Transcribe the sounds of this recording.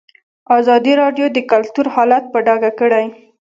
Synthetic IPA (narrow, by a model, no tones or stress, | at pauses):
ɑzɑd̪iɾɑɖjod̪əkalt̪uɾhɑlat̪̚pəɖɑɡakəɽaj